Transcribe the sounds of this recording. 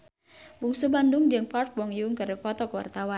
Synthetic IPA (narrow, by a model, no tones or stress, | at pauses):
buŋsubandʊŋd͡ʒəŋpɔrk̚wɔŋjuŋkəɾfɔt̪ɔkwa̰rt̪awan